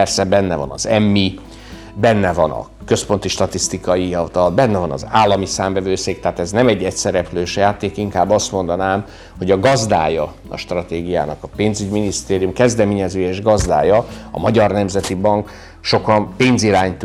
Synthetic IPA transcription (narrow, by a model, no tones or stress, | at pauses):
ɛrsɛbɛnːɛvɒ̰nɒ̰zɛmːi | bɛnːɛvɒnɒ̰ | køspo̞nt̪iʃt̪ɒt̪ist̪ikɒjiɒlt̪ɒlbɛnːɛvɒnɒ̰zaːlːɒmisaːɱvɛvøːseːk̚t̪ɛɦat̪ɛznɛmɛɟːɛcsɛɾɛpløːʃɛjaːt̪eːkiŋkaːbːɒst̪mo̞nd̪ɒnaːm | ho̞ɟɒɡɒzd̪a̰ːjɒ | ɒ̰ʃt̪rɒt̪eːɡija̰ːnɒkɒpeːnzyɟminist̪eːɾijumkɛzd̪ɛmeːɲɛzøːjeːʒɡɒzd̪a̰ːjɒɒ̰mɒɟɒrnɛmzɛt̪ibɒŋk | ʃo̞kɒmpeːnziɾaːɲt̪